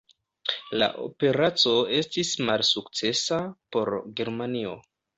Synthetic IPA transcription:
la̰ʔo̰pe̞ɾat͡so̞e̞stismalsukt͡se̞sapo̞ɾɡe̞ɾmanio̞̰

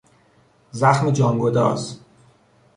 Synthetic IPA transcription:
zæxmed͡ʒɒːŋɡod̪ɒ̰ːs

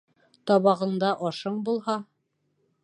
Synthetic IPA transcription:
t̪ɒβɑʁɤ̆ɴd̪ɑʔɒʃɤɴbulˠhɑ

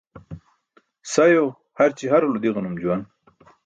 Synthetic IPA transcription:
sajo | haɾt͡ɕiɦaɾulud̪iɣanumd͡ʑuwan

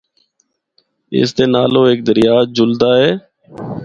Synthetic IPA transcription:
ɪ̰st̪eːnaːloːeːk̚d̪əɾɪjaːd͡ʒʊld̪aːɦɛː

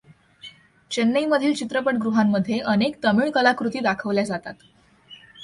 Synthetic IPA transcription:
t͡ɕenːəiməd̪ʱiːlt͡ɕit̪ɾəpəʈɡɾuɦamːəd̪ʱːjeʔənekt̪əmiːɭkəlakɾut̪iːd̪akʰəʋljad͡zat̪at̪

